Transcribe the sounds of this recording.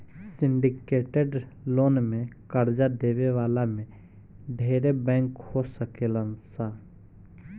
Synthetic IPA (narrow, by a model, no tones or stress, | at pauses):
sɪ̃ɳɖɪkeːʈeɖloːnmẽkəɾd͡ʒad̪eːʋeʋaːlamẽ | ɖʱeːɾebɛ̃ːŋkhosəkeːlənsaː